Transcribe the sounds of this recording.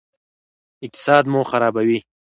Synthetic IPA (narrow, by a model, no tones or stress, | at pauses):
ɪk̚t̪ɪ̥sɑːd̪moxaɾɑːbawi